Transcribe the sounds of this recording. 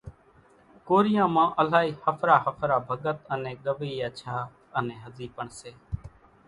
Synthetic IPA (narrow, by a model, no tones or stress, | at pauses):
koːɾɪjãːmãːʔəlaːiːhəpʰɾaːhəpʰɾaːbʱəɠət̪ənẽːɠəʋiːət͡ʃʰaː | ənẽːɦəziːpəɳseː